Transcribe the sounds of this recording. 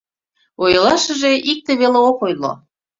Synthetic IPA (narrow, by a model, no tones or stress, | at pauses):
ojlɑʃə̆ʒeʔik̚t̪eβeleokojlo̰